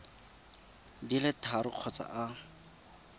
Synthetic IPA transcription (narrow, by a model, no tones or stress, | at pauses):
dilɪtʰaɾʊq͡χʰɔt͡sa̰ʔa